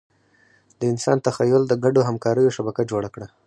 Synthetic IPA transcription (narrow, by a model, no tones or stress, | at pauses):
d̪əɪnsɑ̰nt̪axajʊld̪əɡaɖoɦamkɑɾəjoʃabakad͡ʒoɽakɽa